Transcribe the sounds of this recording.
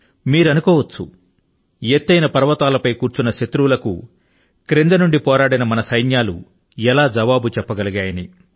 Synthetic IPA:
miːɾɐnukɔːʋɐt͡ʃːu | eːt̪ːɐjnɐpɐɾɐʋɐt̪aːlɐpɐjkuːɾt͡ʃunːɐʃɐt̪ɾulɐkṵ | kɾend̪ɐnuɳɖipɔːɾaːɽinɐmɐnɐsɐjnjaːlṵ | ɛlaːd͡ʒɐʋaːbut͡ʃɛpːɐɡɐliɡaːjɐni

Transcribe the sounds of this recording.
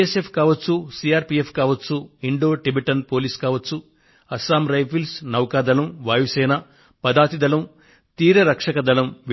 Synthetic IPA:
esepʰkaːʋɐt͡ʃːusiaːɾpiːepʰkaːʋɐt͡ʃːuiɳɖoːʈibeʈɐnpo̞ːliːskaːʋɐt͡ʃːu | ɐsaːmɾɐjpʰilsnɐwkaːd̪ɐlɐmʋaːjusɛːnɐ | pɐd̪aːt̪id̪ɐlɐm | t̪iːɾɐɾɐkʂɐkɐd̪ɐlɐmʋ

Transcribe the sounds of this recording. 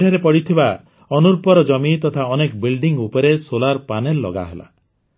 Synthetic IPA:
ɽ̤eɾepɔɽit̪ʰiba | ɔnuɾpɔɾɔd͡ʒɔmit̪ɔt̪ʰaɔnekɔbilɖiŋupɔɾesolaɾpanelːɔ̰ɡa̰ɦḛla̰

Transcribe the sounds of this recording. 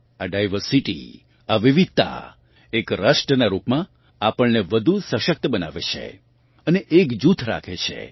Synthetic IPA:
aɖajʋəɾsiʈḭ | aʋiʋid̪̚t̪a̰ | ekɾəʃʈənaɾupmã | apəɭneʋəd̪ʱusəʃək̚t̪əbəna̰ʋḛt͡ʃʰḛ | əneʔekd͡ʒut̪ʰɾa̰kʰet͡ʃʰḛ

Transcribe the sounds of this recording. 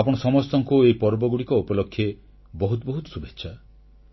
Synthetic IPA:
apɔɽ̃ɔsɔmɔst̪ɔŋkuejpɔɾbɔɡuɽikɔupɔlokʰːje | bɔɦut̪ɔbɔɦut̪ɔ̥subetːʃʰa

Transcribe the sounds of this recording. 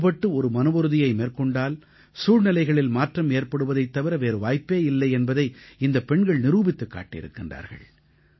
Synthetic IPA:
pɐʈːɯɔɾɯmɐnɯbɔɾɯðɪjɐɪmeːrkɔɳɖaːl | suːɻnɪlɐɪɣɐɭɪlmaːʈrɐmeːrpɐɽɯʋɐðɐɪt̪ːɐʋɪɾɐʋeːɾɯʋaːjpːeːɪlːɐɪɛnbɐðɐɪɪnd̪ɐpːɛɳɡɐɭnɪɾuːbɪt̪ːɯkːa̰ːʈːɪɪ̰ɾɯ̰kːɪndra̰ːɾɣɐ̰ɭ

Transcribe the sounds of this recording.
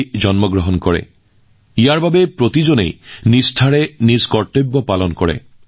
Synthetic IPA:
d͡ʒɔnmɔɡɹɔɦɔnkɔɹɛ̰ | ijaɹbabepɹot̪id͡ʒonḛjnistʰaɹeniskɔɹt̪obːɔpalɔnkɔɹɛ̰

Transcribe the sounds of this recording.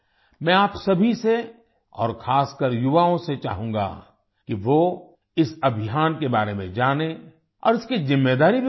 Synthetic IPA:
mɛ̃aːpsɐbʱise | ɔ̰ːɾxʰaːskəɾjʊʋaːõset͡ʃa̰ːɦũːŋ̆ɡa̰ | kiʋo | ɪsɐbʱɪjaːnkebaːɾemẽd͡ʒaːne | ɔ̰ːɾɪskizɪmːed̪aːɾibʱi

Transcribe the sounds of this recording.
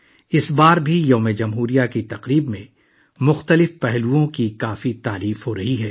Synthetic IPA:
ɪsbaːɾbʱijoːmed͡ʒɐmɦuːɾijakit̪ɐqɾiːbmẽ | mʊxt̪əlɪfpɛɦluõkikaːfit̪aːɾiːfɦoɾɐɦiɦɛː

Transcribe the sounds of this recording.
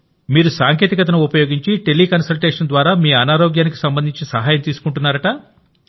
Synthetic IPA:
miːɾusaːŋkeːt̪ikɐt̪̬ɐnɐupɐjoːɡiɲt͡ʃiʈelːiːkɐnsɐlʈeːʂɐnd̪ʋaːɾaːmiːɐnaːɾoːɡjaːniki̥sɐmbɐnd̪ʱiɲt͡ʃisɐɦaːjɐmt̪iːsu̥kuɳʈunːaːɾɐʈɐ

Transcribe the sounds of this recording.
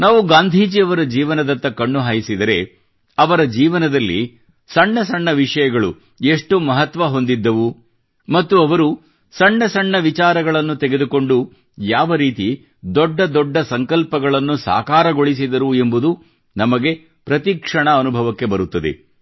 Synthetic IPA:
naːʋuɡaːnd̪ʱiːd͡ʒiɐʋɐɾɐd͡ʒiːʋɐnɐd̪ɐnt̪ːɐkɐɳːuɦaːjisid̪ɐɾe̞ | ɐʋɐɾɐd͡ʒiːʋɐnɐd̪ɐlːḭ | sɐɳːɐsɐɳːɐʋiʂɐjɐɡɐɭṵ | eʂʈumɐɦɐt̪ʋɐɦond̪id̪ːɐʋu | mɐt̪ːuɐʋɐɾu | sɐɳːɐsɐɳːɐʋit͡ʃaːɾɐɡɐɭɐnːut̪ɛɡe̞d̪uko̞ɳɖu | jaːʋɐɾiːt̪i | d̪ɔɖːɐd̪ɔɖːɐsɐŋkɐlpɐɡɐɭɐnːusa̰ːkaːɾɐɡo̞ɭis̬id̪ɐɾue̞mbud̪u | nɐmɐɡe̞ | pɾɐt̪ikʂɐɳɐːnubʱɐʋɐkːe̞bɐɾut̪ːɐd̪e̞̰

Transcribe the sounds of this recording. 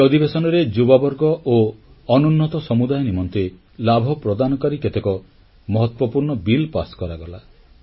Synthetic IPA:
ɔd̪ibesɔnɔɾed͡ʒubabɔɾɡɔʔoː | nunːɔt̪ɔsɔmud̪ajɔnimɔnt̪e | labʱɔpɾɔd̪anɔkaɾiket̪ekɔ | mɔɦɔt̪wɔpuɾɳɔbilpaskɔɾaɡɔla

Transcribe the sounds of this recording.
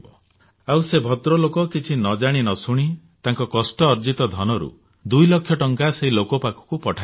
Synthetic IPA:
bɔ | awsebʱɔt̪ɾɔlokɔkit͡ʃʰinɔd͡ʒaɽ̃inɔsuɽ̃i | t̪aŋkɔkɔsʈɔːɾd͡ʒit̪ɔd̪ʱɔnɔɾṵ | d̪ujlɔkʰːjɔʈɔŋkaseɦilokɔpakɔ̥kupɔʈʰa

